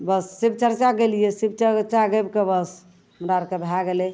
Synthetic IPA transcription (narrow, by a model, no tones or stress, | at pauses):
bəsːebt͡ʃəɾt͡ʃaɡelijɛsib̚t͡ʃət͡ʃaɡebkebəs | mɾaɾkebʱaɡelɛ